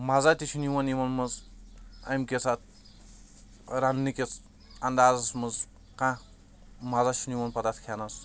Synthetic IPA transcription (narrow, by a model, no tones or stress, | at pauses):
mazat̪it͡ʃʰiniwɐniwɐnmɨz | ɐ̰jmkʲet͡sʰat̪̚ʰ | ɾanːikʲet͡s | and̪aːzɐsmɨz | kã | mazat͡ʃʰiniwɐnpɐt̪at̪ʰkʰanɐs